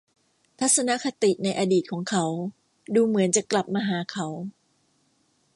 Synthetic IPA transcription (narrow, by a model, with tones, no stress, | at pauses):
t̪ʰa˦˥t̪̚sa˧na˦˥kʰa˧t̪i˨˩ʔna˧jʔaː˧diː˨˩kʰɔː˩˦ŋkʰa˦˥w | duː˧mɯ˩˦ənt͡ɕa˨˩kla˨˩p̚maː˧ɦaː˩˦kʰa˦˥w